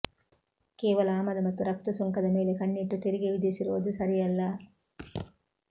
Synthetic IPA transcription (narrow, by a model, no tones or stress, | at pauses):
keːʋɐlɐːmɐd̪ɐmɐt̪ːuɾɐk̚t̪ɐsuŋkɐd̪ɐmeːlekɐɳːiʈːut̪iɾiɡiʋid̪isiɾoːd̪usɐɾijɐlːɐ